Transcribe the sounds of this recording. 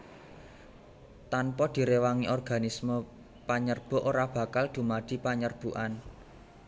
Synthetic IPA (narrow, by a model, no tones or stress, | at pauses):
t̪anpɔd̪̥i̤ɾewaŋiʔɔrɡ̥a̤nismə | paɲərb̥ɔ̤ʔoɾab̥ä̤kald̪̥ṳmad̪̥i̤paɲərb̥uʔan